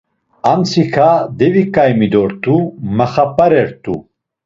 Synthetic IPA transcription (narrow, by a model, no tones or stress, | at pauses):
ant͡sʰikʰad̪ɛvikʼajmid̪ɔɾt̪ʼumaχapʼaɾɛɾt̪ʼṵ